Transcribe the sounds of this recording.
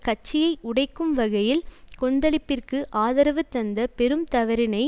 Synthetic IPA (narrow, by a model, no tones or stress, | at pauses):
kɐt͡ʃːɪjɐɪʔʊɽɐɪkːɯmʋɐɣɐjɪlkɔnd̪ɐlɪpːɪrkɯʔaːðɐɾɐʋɯt̪ːɐnd̪ɐpɛɾɯmt̪ɐʋɐɾɪnɐɪ